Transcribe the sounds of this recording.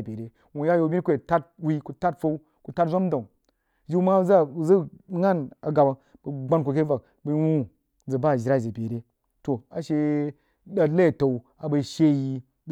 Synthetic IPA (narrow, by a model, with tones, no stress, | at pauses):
be˨ɾe˨ | wu˨ja˦jo˧˨bʲi˦kʷe˨ta˦t̚wi˦ku˧ta˦tfo˦u˦ | ku˨ta˦tzʷo˦m˦da˨ | ʒi˦u˦ma˦za˦u˨zə˦ŋa˦na˨ɡa˨ba˨ | bə˨ɡ͡ba˦nko˨k̬e˦va˨k̚ | bə˧˦wũ˦ | d͡zə˨ba˦˨ʒi˨ɾa˦˨ze˨be˨ɾe˦ | to˨a˨ʃe˧ | ɗa˨˦la˦˨ta˨u˨ | a˨ba˧i˦ʃe˦ji˧